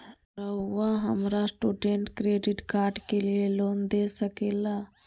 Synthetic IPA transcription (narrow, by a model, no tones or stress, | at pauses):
ɾəːaɦəmɾasʈuːɖẽɳʈkɾeːɖɪʈkaːɾɖkelieloːnd̪esəkeːlaː